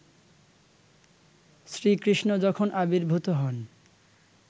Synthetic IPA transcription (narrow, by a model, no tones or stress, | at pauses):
sɾikɾiʃnod͡ʑɔkʰonʔabiɾbʱut̪oɦɔn